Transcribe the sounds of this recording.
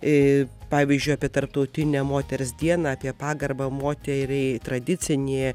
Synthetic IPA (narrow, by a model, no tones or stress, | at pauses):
ɪpɑːʋʲiːzʲd͡ʒʲʊɪɑːpʲiɛt̪ɐrp̚t̪ɐʊt̪ʲɪnʲɛmoːt̪ʲɛɾʲsd̪ʲiɛnɐɑːpʲiɛpɑːɡɐrbɐmoːt̪ʲɛɾʲɛɪt̪ɾɐd̪ʲɪt̪t͡s̪ʲɪnʲeː